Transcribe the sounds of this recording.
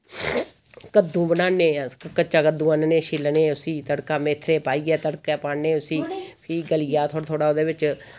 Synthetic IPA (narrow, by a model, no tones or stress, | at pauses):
kəd̪ːũːbənaːneːkət͡ʃaːkəd̪ũːənneːʃɪlneːʊsĩːt̪əɽkaːmeːt̪ʰːɾeːpaːiːɡɛːt̪əɽkaːpaːneːʊsiːpʰiːɡəlɪjaːt̪ʰoːɽt̪ʰoːɽaːoːd̪eːʋɪt͡ʃ